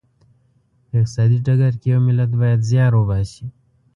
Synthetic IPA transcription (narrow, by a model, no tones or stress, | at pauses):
ɪq̪̚sɑd̪iʈəɡaɾkijawmɪlat̪bajad̪zjɑɾobaʃi